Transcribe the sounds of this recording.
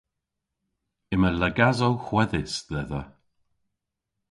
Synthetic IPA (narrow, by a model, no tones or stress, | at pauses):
ɪmələɡazowxwɛðɪsðɛðə